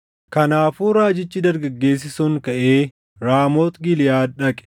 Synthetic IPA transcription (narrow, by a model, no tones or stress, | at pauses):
kɐnaːfuːɾaːd͡ʒɪt͡ʃːɪd̪ɐɾɡɐɡːe̞ːs̬ːɪsʊŋkɐʔe̞ː | ɾaːmoːt̪ɡɪlɪjaːᶑɐkʼɛ̥